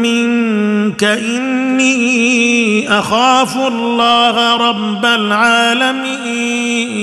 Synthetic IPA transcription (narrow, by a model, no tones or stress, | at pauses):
mɪŋkaʔɪnːiː | ʔaxaːfʊlːaːɦaɾˤɑbːalʕaːlamiː